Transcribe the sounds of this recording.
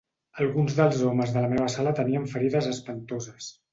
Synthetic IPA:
əlˠɣunzðəlˠzɔməzðələmeβ̞əsalət̪əniəɱfəɾiðəzəspənt̪ozəs

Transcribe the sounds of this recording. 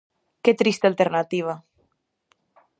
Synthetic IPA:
ket̪ɾist̪alt̪eɾnat̪iβ̞a

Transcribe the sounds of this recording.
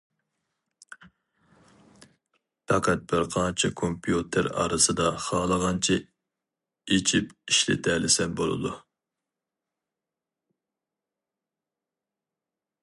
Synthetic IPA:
p̪ʰɑqʰɛt̪̚bɪɾqʰɑnt͡ʃʰikʰompʰijut̪ʰɪɾɑ̰ːɾɨsɨd̪ɑχɑːlˠəʁɑnt͡ʃʰi | et͡ʃʰipiʃlɪ̰t̪ʰɛlɪsɛnbolˠɨ̰d̪u

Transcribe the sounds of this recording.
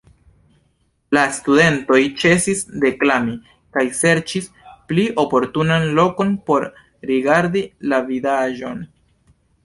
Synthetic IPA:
lastude̞nto̞jt͡ʃe̞sisde̞klami | kajse̞ɾt͡ʃis | pliʔo̞po̞ɾtunanlo̞ko̞npo̞ɾ | ɾiɡaɾdilavidaʒo̞n

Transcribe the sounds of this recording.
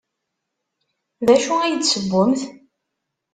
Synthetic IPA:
ðæʃuæjəd̪səbːʊmθ

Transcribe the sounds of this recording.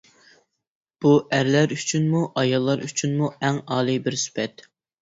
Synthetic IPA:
b̥uæɾlæɾyt͡ʃʰynmuʔɑjɑlˠːɑɾyt͡ʃʰynmuɛŋɑːlˠɨbɪɾsy̥pʰɛt̪

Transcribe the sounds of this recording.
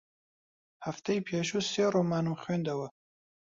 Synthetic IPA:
haft̪ajpʰeʃuseɾomɑːnuxend̪awə

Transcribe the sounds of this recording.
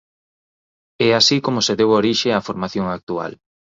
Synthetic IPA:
ɛasikomoseðɛwoɾiʃeafoɾmaθjoŋak̚t̪ua̰l

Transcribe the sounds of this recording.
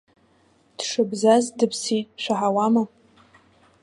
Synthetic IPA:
d̥ʂɨbzazdɨpʰsitʼʃʷᶣaħawama

